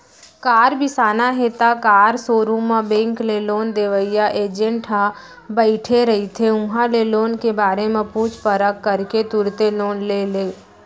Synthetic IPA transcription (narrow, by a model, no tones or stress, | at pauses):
kaːɾbʱɪsaːnaɦet̪akaːɾsoːɾũmãbẽːŋkleloːnd̪eːʋəɪjaʔeːd͡ʒə̃ɳʈɦã | bəɪʈʰeɾəɦit̪ʰeʊ̃ɦãleloːnkebaːɾemẽpuːt͡ʃpəɾəkːəɾket̪ʊɾt̪eloːnleːleː